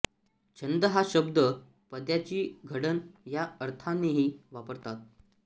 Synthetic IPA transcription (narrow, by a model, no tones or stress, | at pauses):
t͡ɕənd̪əɦaɕəbd̪ə | pəd̪jat͡ɕiːɡʱəɽənjaəɾt̪ʰanːeɦiːʋapəɾt̪at̪̚